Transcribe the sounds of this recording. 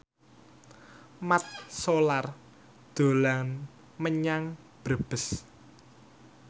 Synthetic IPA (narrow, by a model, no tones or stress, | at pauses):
mat̪̚solar | d̪̥o̤lan | məɲaŋ | b̥əb̥əs